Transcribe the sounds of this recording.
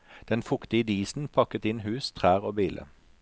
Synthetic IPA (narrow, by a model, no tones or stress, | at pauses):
d̪̥ɛnfʊkt̪ɪəd̪iːsn̩pʰɑkət̪ɪnhʉːst̪ʰʁæːʁoːbiːlʔə̰